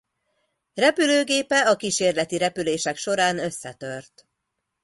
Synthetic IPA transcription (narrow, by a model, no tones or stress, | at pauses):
rɛpyløːɡeːpɛɒkiʃeːrlɛt̪iɾɛpyleːʃɛkʃo̞ɾaːnø̞sːɛt̪ø̞rt̪